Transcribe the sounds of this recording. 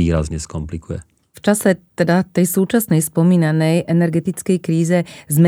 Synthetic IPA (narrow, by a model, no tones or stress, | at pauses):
iːɾa̰zɲɛskɔmplikujɛ | ft͡ʃasɛt̪ɛd̪at̪ɛjsuːt͡ʃasnɛjspɔmiːnanɛjʔɛnɛɾɡɛt̪it͡skɛjkɾiːzɛzmɛ